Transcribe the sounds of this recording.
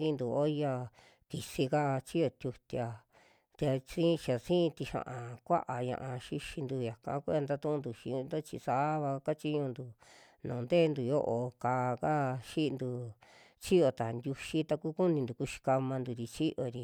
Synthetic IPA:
ĩ˧nd̪u˨o˦ja˧ | ki˨si˧ka˦˧t͡ʃi˦jo˧t̪ʲju˧t̪ʲja˧ | t̪ʲa˧sĩ˦˧t͡ʃa˨sĩː˦˧t̪i˧ʃã̰˧ʔã˨kʷa̰˦ʔa˨ɲã̰˧ʔã˧ʃi˧ʃi˧nd̪u˧ja˨kã̰˧˦ku˦a˧nd̪a˧t̪ũ˦˧nd̪u˨ʃi˧nd̪o˦t͡ʃi˧sa˦βa˧ka˦t͡ʃi˦ɲũ˧nd̪u˨ | nõː˨nd̪e˦˧nd̪u˨jo˦ʔo˧ka˧ka˦ʃi˦˧nd̪u˧ | t͡ʃi˦o˧t̪a˨nd̪ʲu˧ʃi˦t̪a˧ku˦ku˦nĩ˧nd̪u˨ku˧ʃi̥˧ka˧mã˧nd̪u˨˧ɾi˧t͡ʃi˦ʔo˧ɾi˧

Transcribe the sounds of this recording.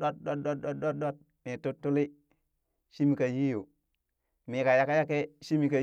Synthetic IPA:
o˦t̚ɗo˦tɗo˦tɗo˦t̚do˦tɗo˦t̚ | mi˨tu˦tːu˦li˦ | ʃi˦mi˨ka˨ji˦ju˨ | mi˨ka˨ja˦ka˦ja˦ke˦ʃi˦mi˨ka˨

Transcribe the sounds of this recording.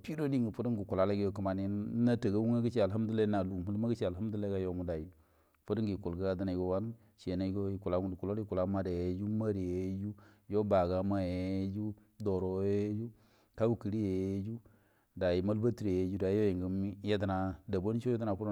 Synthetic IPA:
pi˦do˦di˦ŋɡi˨fu˦di˦ŋɡi˨ku˨la˨le˦ɡa˦jo˦ki˨ma˨ni˦na˦ta˨ɡa˦wu˦ŋa˦ɡi˦t͡ʃi˦a˨lɦa˦m˦du˦le˦na˨lu˨mu˦lma˦ɡi˦t͡ʃi˦a˨lha˦m˦di˦le˦ɡa˦jo˦ŋu˨da˨ji˨ | fu˦dŋɡi˨ku˨lɡa˦a˦di˦na˨i˨ɡo˨wa˦n | ʃe˨na˨i˦ɡo˦i˨ku˨la˨˦ŋu˦di˨ku˨lo˦li˦ku˨la˦ma˦da˨je˨˦d͡ʒu˦ma˦ɾd͡ʒu˦jo˦ba˨ɡa˦ma˦je˨jd͡ʒu˦ | do˨ɾo˨˦e˦d͡ʒu˦ | ta˦u˦ki˨ɾi˦je˨je˦d͡ʒu˦ | da˨ji˨ma˦lba˦ti˨ɾe˨je˨˦d͡ʒu˦da˨i˦jo˦ji˨ŋɡi˨˦je˦di˦na˨da˨bo˦n˦t͡ʃo˦je˦di˦na˨ku˦ɾ

